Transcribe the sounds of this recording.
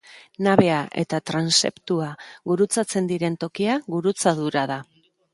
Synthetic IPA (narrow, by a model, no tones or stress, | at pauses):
naβe̞aʔe̞̰t̪at̪ɾanse̞̰pt̪uaɣuɾut͡sat͡se̞nd̪iɾe̞nt̪o̞kiaɣuɾut͡saðuɾað̞a